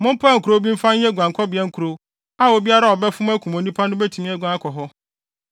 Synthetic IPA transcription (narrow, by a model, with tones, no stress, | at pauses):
mʊ̃˦m̩˦pʰa˦ŋ̩˨kʰu˨ɾo˦bĩ˦m̩˦fã˦ɛ˦˨ɡʷã˨ŋkʰɔ˦bɪ˨ɛ˦ŋ̩˦kʰu˨ɾo˦ | a˦o˨bi˦a˦ɾa˦˨ɔ˨bɛ˦fʊ̃˦m˦æ˦kʰũ˨m˨o˨nĩ˦pʰa˦nʊ̃˦bɛ˦tʰĩ˨m˦ɛ˦ɡʷã˨˦kʰɔ˨ɦɔ˦